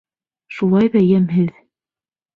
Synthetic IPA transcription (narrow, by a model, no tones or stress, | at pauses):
ʃulˠɑjβæjæmɦɘð